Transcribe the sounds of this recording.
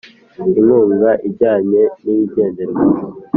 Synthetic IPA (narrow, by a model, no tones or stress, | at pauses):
inuːŋɡaʔibɟaːɲe̞niiɟeːndeɾ